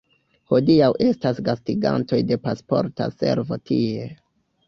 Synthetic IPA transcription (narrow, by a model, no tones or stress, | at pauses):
ho̞diawʔe̞stasɡastiɡa̰nto̞jde̞paspo̞̰ɾta̰se̞̰ɾvo̞tie̞